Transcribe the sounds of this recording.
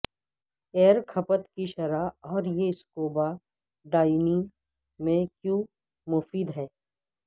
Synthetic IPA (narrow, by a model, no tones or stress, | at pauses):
eːɾkʰɐpət̪kiʃɐɾaɔːɾjeskoːba | ɖaːɪni | mẽkjũː | mʊfiːd̪ɦɛː